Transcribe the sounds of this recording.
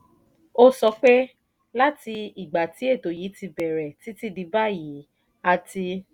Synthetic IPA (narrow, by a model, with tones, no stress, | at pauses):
o˦sɔ˧k͡pɛ˦ | la˦ti˧i˨ɡ͡ba˨ti˨˦e˦˨to˨ji˨˦ti˧bɛ˨ɾɛ˨ti˨˦ti˦di˧ba˦ji˨˦ | a˧ti˧